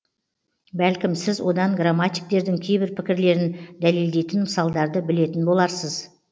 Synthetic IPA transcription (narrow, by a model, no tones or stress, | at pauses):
bælkʲɪmsɪzwo̞d̪ɑŋɡramːat̪ʲijk̚t̪e̞ɾd̪ɪŋkʲʰe̞jbɪɾpʰɪkʲɪɾle̞ɾɪnd̪æle̞ld̪ejt̪ɪnməsɑlˠd̪ɑɾd̪əbɪle̞t̪ɪnbo̞lˠɑɾsəz